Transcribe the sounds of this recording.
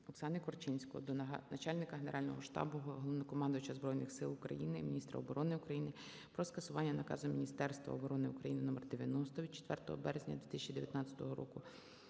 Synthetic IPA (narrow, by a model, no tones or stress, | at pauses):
ɔksɑnɪkɔrt͡ʃɪnʲsʲkɔɔd̪ɔnɐt͡ʃɑlʲnɪkɐɦeneɾɑlʲnɔɦɔʃt̪ɑ̰bʊɦɔɦɔlˠɔʋnɔkɔmɑnd̪ʊjʊt͡ʃɐzbɾɔjnɪxsɪlˠʊkɾɐ̰jinɪmʲinʲist̪ɾɐ̰ɔbɔɾɔnɪʊkɾɐjinɪ | pɾɔskɐsʊʋɑnʲːɐnɐkɑ̰zʊmʲinʲist̪ɛrst̪ʋɐ̰ɔbɔɾɔnɪʊkɾɐjinɪnɔmɛrd̪eʋʲjɐnɔst̪ɔʋʲid̪t͡ʃe̥t̪ʋɛrt̪ɔɦɔbɛɾezʲnʲɐd̪ʲʋʲit̪ɪsʲt͡ʃid̪eʋʲjɐt̪nɑt̪t͡sʲɐ̥t̪ɔɦɔɾɔ̰kʊ